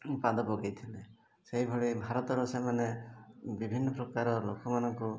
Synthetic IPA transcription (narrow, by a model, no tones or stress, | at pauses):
pad̪ɔpɔɡejt̪ʰile | seɦibʱɔɭibʱaɾɔt̪ɔɾɔsemanebibʱinːɔpɾɔkaɾɔlokɔmanɔŋku